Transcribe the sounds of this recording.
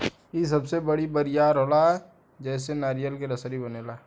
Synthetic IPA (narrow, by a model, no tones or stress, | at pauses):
is̬ɐbsebɐɽibɐɾijaːɾɦoːlaɦɛ | d͡ʒɛːsenaːɾijəlkeɾɐsɾibɐneːlaː